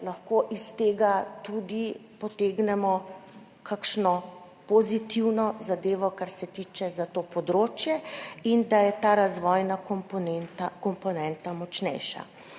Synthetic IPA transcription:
laxkoʔist̪eːɡat̪ud̪ipɔt̪eːɡnɛmɔ | kʰakʃnɔ | pɔzit̪iwnɔzad̪eːʋɔkaɾsɛt̪it͡ʃɛzat̪oːpɔd̪ɾoːt͡ʃjɛind̪ajɛt̪aːɾazʋɔjnakɔmpnɛnt̪akɔmpɔnɛnt̪amɔt͡ʃnɛ̰jʃa̰

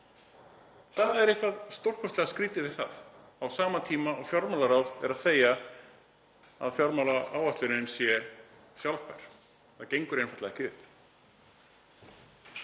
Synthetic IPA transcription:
θaðaɛɾɛhkvaðst̪owr̥kʰɔst̪lɛɣaskɾiːt̪ɪvɪðθa̰ð | awsaːmat̪ʰiːmaɔɣfjɔɾmalaɾawðɛɾaðseːja | a̰ðfjɔɾmawlaaːwaht̪lʏɾɪnsjɛ | sjawlvpajɾ̥ | aðcejŋkʏɾejnfḁjt̪laɣɛhcɪʏp

